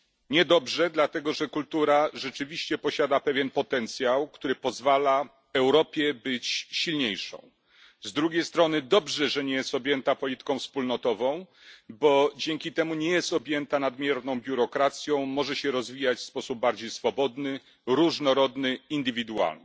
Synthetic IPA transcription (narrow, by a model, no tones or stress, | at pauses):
ɲɛd̪ɔbʐɛd̪lat̪ɛɡɔʐɛkult̪uɾaʐɛt͡ʂɘvʲiɕt͡ɕɛpɔɕad̪apɛvʲjɛnpɔt̪ɛnt̪sʲjawkt̪uɾɘpɔzvala | ɛwɾɔpʲjɛbɘt͡ɕɕilɲejʂɔ̰̃w̃ | zd̪ɾuɡʲejst̪ɾɔnɘd̪ɔbʐɛʐɛɲɛjɛst̪ɔbʲjɛnt̪apɔlʲit̪ɘ̥kɔ̃w̃fspulnɔt̪ɔvɔ̃w̃ | bɔd͡ʑɛŋkʲit̪ɛmuɲɛjɛst̪ɔbʲjɛnt̪anad̪mʲjɛɾnɔ̃w̃bʲjuɾɔkɾat̪sʲjɔ̃w̃mɔʐɛɕɛɾɔzvʲijat͡ɕfspɔsub̚baɾd͡ʑejsfɔbɔd̪nɘ | ɾuʐnɔɾɔd̪nɘind̪ɘvʲid̪ua̰lnɪ